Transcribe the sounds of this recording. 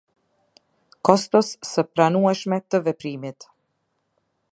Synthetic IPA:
kɔst̪ɔsːəpɾanuɛʃmɛt̪əvɛpɾimit̪

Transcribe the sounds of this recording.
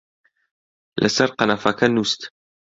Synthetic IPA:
lʔɐ̰sɐɾqɑnafɐkʰɐnust̪

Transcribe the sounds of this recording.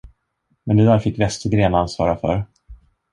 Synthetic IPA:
mɛnd̪ɛd̪æːɾfɪkːvɛst̪əɡɾeːnansvɑ̰ːɾafœ̰ɾ

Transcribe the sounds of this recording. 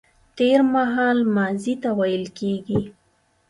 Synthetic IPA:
t̪eɾmaɦɑlmɑzit̪awajəlkeɡi

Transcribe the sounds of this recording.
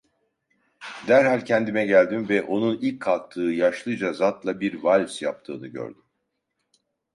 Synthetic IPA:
d̪æɾɦalʲcʰɛnd̪imɛɟælʲd̪imvɛʔo̞nunilʲcʰːalˠt̪ʰːɯːjaʃlˠɯd͡ʒazat̪lˠabiɾvalʲvsja̰p̚t̪ʰɯ̰ːnɯɟø̰ɾd̪ym

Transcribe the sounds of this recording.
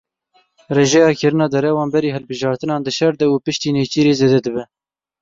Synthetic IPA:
reːʒɛjɑːkɨɾɨnɑːd̪ɛɾɛwɑːnbɛɾiːɦɛlbɨʒɑːɾt̪ɨnɑːnd̪ɨʃɛɾd̪ɛupɨʃt̪iːneːt͡ʃiːɾeːzeːd̪ɛd̪ɨbɛ

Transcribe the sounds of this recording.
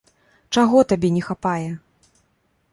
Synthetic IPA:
t͡ʂaɣɔt̪abʲɛnʲɛxapajɛ

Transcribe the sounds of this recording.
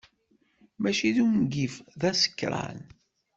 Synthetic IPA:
mæʃiðumɡifðæsə̥kːɾˤɑ̰n

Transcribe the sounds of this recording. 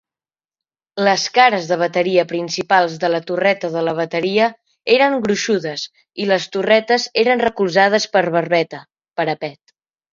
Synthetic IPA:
ləskaɾəzðəβ̞ət̪əɾiəpɾinsipalˠzðələt̪urɛt̪əðələβ̞ət̪əɾiə | eɾəŋɡɾuʃuðəz | iləst̪urɛt̪əzeɾənrəkulˠzað̞əspəɾβərβɛt̪ə | pəɾəpɛt̪

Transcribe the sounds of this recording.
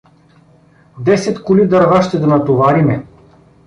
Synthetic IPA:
d̪ɛsɛt̪kʊlid̪ɐɾvaʃt̪ɛd̪ɐnɐt̪ovaɾimɛ

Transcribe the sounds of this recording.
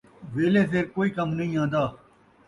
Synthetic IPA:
ʋeːleːs̬eːɾkoːiːkəmnɐĩːãːnd̪aː

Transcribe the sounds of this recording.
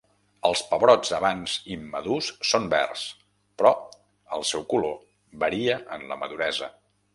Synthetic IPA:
əlˠspəβɾɔd͡zəβanzimːəðusːombɛ̰rs | pɾɔ | əlˠsɛwkulo | βəɾiəʔənlə̰məðuɾɛzə̰

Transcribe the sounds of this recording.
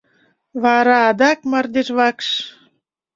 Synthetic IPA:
βɑɾɑːd̪ɑk̚mɑrd̪eʃβɑkʃ

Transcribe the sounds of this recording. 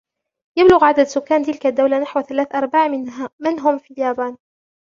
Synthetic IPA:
jablʊɣʕad̪ad̪sʊkːaːnt̪ɪlkad̪ːawlanaħwθalaːθʔɑɾˤbaʕmɪnmɪnɦʊmfiːljaːbaːn

